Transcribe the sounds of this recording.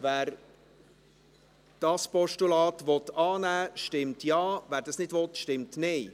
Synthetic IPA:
væːɾ | d̥ɑspɔʃtulɑːtʋɔt̪ɑːnæːʃtɪmtjɑːvæːɾdɑsnɪdvʋɔt̪ʃtɪmtnɪ

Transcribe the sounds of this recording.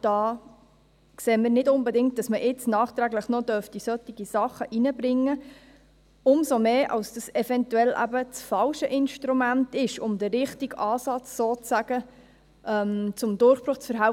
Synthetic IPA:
d̥ɑː | kseːmɪɾnɪdʊnbɛdɪŋkt̚d̥ɑsməʔɪt͡snɑːχt̪ɾæɡləχnɔdœɾftisœt̪ːiɡ̥isɑχːəʔinəbɾɪŋːə | ʊmsomeːʔɑ̰lsd̥ɑsɛfɛntuɛlʔæ̰bət͡sfɑlʃəʔɪnʃtɾumæntɪʃʊmdəːɪχtiɡɑːsɑt͡ssoːt͡sæɡ̥ə | ʔɛmt͡sʊmd̪ʊɾχb̥ɾʊχt͡sfəɾɦæ

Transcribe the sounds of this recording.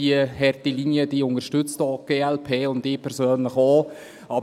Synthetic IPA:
iəhɛrtilinjəd̥iːʊnəʃtʏt͡stɔːɡ̥eːɛlpʰeːʊndɪːpʰɛɾsøːnləχɔː | ɑb

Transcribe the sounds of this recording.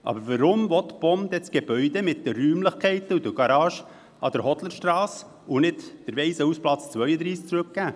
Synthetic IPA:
ʔɑ̰ːbəɾvəɾʊmvɔt̪b̥ɔmd̥̪ɛt͡sɡ̥eb̥œʏd̥̪emɪt̚d̥̪ərːyːmləχkʰɛɪtəud̪əɡ̥ɑɾɑːʃə | ʔɑd̥̪əɾhɔtləɾʃtɾɑːs | ʊnɪtd̥əɾvɛɪsəusplɑt͡st͡sʋœʏəd̪ɾiːsk̚t͡sɾʉk̚ɡ̥æː

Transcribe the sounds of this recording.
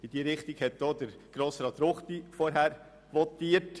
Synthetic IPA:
ɪd̥iːəɾɪχtɪɡhɛt̚d̥oːd̪əɾɡ̥ɾoːsɾɑːt̪ɾoχt̪ifɔɾɦæːɾ | ʋɔtiːət

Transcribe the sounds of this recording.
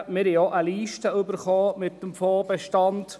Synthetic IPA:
mɪɾhioʔəliːʃtəɵbəɾχoːmɪtːəmfɔːbɛʃtɑnd̥

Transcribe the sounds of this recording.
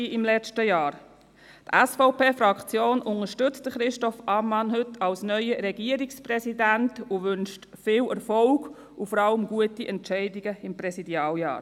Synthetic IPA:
iɪmlɛt͡ʃtəjɑːɾ | tæsfɔʊpeːfɾɑkt͡sjoːnʔʊnəɾʃtʏt͡st̚d̥əχɾɪʃtɔfɑmɑnhʏtʰɑlsnœʏəɾɛɡiəɾiksprɛsidæntuʋʏnʃtfɪːlɛɾfɔlɡ̥ | ufɔɾɑləmɡuətiʔɛntt͡ʃɛɪdiɡəɪmpɾɛsidjɑːljɑ̰ːɾ

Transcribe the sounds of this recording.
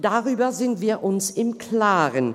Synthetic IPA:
d̥aʁyːbɐzɪntv̥iːɐʔʊnsɪmkʰl̥aːʁən

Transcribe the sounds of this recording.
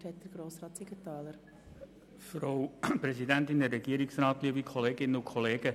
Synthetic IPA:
ɾhɛt̚d̪̥əɾɡ̥ɾoːsɾɑːt̪siɡət̪ɑːləɾ | fɾowpɾɛzidænt̪ɪnɛːɛɡiəɾiksɾɑːt̪liəbikʰχɔleːɡɪnːəʊkʰχɔleːɡə

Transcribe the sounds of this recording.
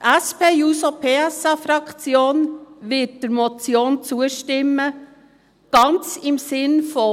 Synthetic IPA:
ʔæspeːjuːsopʰeːɛsɑfɾɑkt͡sjoːnʋɪt̚d̥əɾmot͡sjoːnt͡suəʃtɪmə | ɡ̥ɑnt͡sɪmsɪnfɔ

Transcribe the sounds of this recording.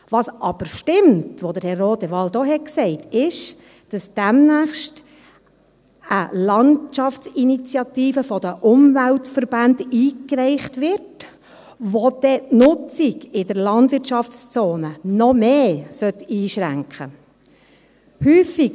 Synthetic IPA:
ʋɑsʔɑb̥əɾʃtɪmtʋod̪əɾhɛrːoːdɛʋɑld̥̪ɔhɛt̚ksɛɪtʰɪʃ | d̥ɑsd̥æmnæːχʃt | əlɑnt͡ʃɑftt͡sinit͡sjɑt̪iːfəfɔd̥əʔʊmvæltfəɾb̥ændiːkɾɛɪχtʋɪɾt | ʋod̥̪ɛtnʊt͡siɡɪdəɾlɑndʋɪrtʃɑft͡st͡soːnənɔmeːsœtːiːʃɾæŋkχə | hyːfi

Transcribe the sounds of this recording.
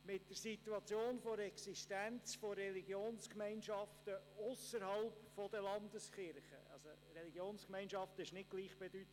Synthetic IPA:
mɪtd̥əɾsituɑt͡sjoːnfoɾɛksiʃtænt͡sforɛliɡjoːnskmɛɪnʃɑftəʊsəɾhɑlpfɔdəlɑnd̪əsχɪɾχə̰ɑ̰lsorɛliɡjoːnskmɛɪnʃɑftəɪʃnɪɡ̚ɡ̥liːχb̥edytə

